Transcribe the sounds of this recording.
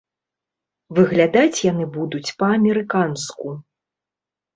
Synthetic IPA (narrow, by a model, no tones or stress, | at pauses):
vɨɣlʲad̪at͡sʲjanɨbud̪ut͡sʲpɐːmʲɛɾɨkansku